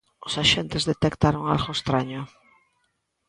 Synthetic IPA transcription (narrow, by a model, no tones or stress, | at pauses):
ʊsaʃent̪ezðet̪ekt̪aɾoŋa̰lɣoest̪ɾaɲʊ